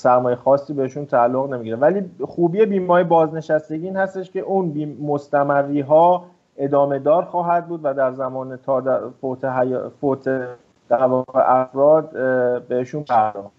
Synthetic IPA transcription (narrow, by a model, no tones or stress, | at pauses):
sæɾmɒːjexɒːsːiːbeeʃunt̪ʰæːlːoɣne̞miɟiɾevæliːxuːbiːe̞biːmɒːjebɒːzne̞ʃæst̪e̞ɟiːiːnhæst̪e̞ʃcʰe̞ʔuːnbiːmo̞st̪æmærːiːɦɒː | e̞d̪ɒːme̞d̪ɒːɾxɒːɦæd̪̚buːd̪væd̪æɾzæmɒːnet̪ʰɒːd̪fot̪ʰeɦæjfot̪ʰe | d̪̥æɾvɒːɣe̞̰ʔæfɾɒːd̪̚be̞heʃuːnpʰæɾd̪ɒ̥ː